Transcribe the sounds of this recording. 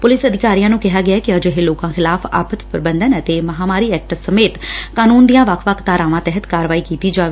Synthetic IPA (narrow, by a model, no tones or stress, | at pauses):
pʊlɪsəd̪ʱɪkaːɾijãːnũːkɪɦaːɡɪaːɛkɪəd͡ʒɦeːloːkãːxʰɪlaːfʰa̰ːpət̪pɾɪbənd̪ənət̪eːməɦaːmaːɾiːɛːk̚ʈsəmeːt̪kaːnuːnd̪ijãːʋəkʰʋəkʰt̪aːɾãːʋãːt̪ɛɦət̪kaːɾəʋaːiːkiːt̪iːd͡ʒaːʋeː